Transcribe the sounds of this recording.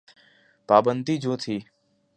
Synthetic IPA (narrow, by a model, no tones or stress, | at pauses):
paːbənd̪ʱid͡ʒõːt̪ʰiː